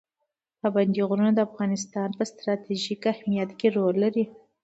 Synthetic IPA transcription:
paband̪iɣɾunad̪əafɣɑnɪs̬t̪ɑnpəst̪ɾɑt̪iʒikahmijat̪keɾollːaɾi

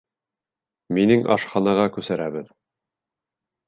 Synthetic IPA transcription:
minɘŋʔɑ̰ʃχɑnɑʁɑkʉsæɾæβɘð

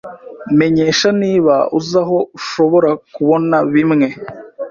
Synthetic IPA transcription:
me̞ɲe̞ːʃaniːβauzaɦo̞uʃo̞βo̞ɾakuβo̞naβimŋe̞

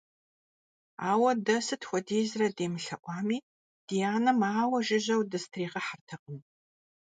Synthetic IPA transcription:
aːwɐdɐsɨtxʷɔdeːzrɐdeːmɨɬɐʔʷɑːmiː | d̥ijaːnɐmaːwɐʒɪʑɐwdɐstʰreːʁɐħartʰɐqʼən

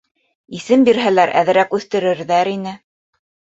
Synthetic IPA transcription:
isɘmbiɾɦælæɾʔæ̰ðɘ̆ɾækʉθt̪ɘ̆ɾɘ̆ɾðæɾinɘ

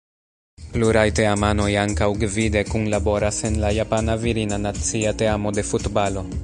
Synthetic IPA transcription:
pluɾajte̞amano̞jaŋkawɡvide̞kunlabo̞ɾase̞nlajapanaviɾinanat͡siate̞amo̞de̞futbalo̞

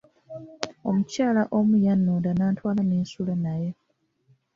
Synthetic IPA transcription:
o̞̰mucaːlaʔo̞mujanːoːndanaːntwaːlaneːnsulanaje̞

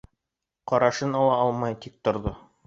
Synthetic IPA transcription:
qɒɾɑʃɤnɒlˠɑɑlˠmɑjt̪ik̚t̪ŏɾðo

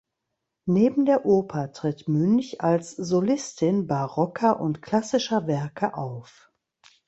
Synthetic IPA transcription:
neːbm̩deːɐʔoːpʰɐtʁ̥ɪtmʏnçalszolɪstʰɪnbaʁɔkʰɐʔʊ̰ntkʰl̥asɪʃɐvɛɐkʰəʔaʊf

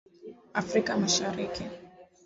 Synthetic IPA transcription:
afɾikamaʃaɾiki

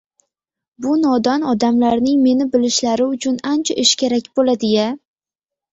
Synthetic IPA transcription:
bʊnɒd̪ɒnɒd̪amlaɾnɪŋme̞nɪbɪlɪʃlaɾɪʊt͡ʃʰʊnant͡ʃʰaʔɪʃkʲʰe̞ɾakʲbolad̪ɪja

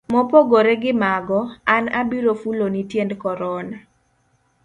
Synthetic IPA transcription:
mopoɡoɾeɡɪmaɡɔanabiɾofulonitjendkɔɾɔna

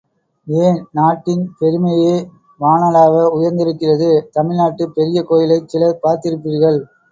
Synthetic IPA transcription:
eːnnaːʈːɪnpɛɾɯmɐjeː | ʋaːnɐlaːɣɐʊjɐɾnd̪ɪɾɯkːɪrɐðɯt̪ɐmɪɻnaːʈːɯpɛɾɪjɐkoːjɪlɐɪt͡ʃːɪlɐpaːɾt̪ɪɾɯpːiːɾɣɐɭ

